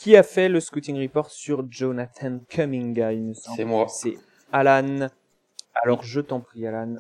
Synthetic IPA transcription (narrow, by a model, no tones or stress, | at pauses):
kʲiafɛləskyt̪ĩŋʁipɔʁt̪syʁʒonat̪ʰankʰœmĩŋɡailməsɑ̃bmasɛ | alan | alɔʁʒət̪ɑ̃pχialan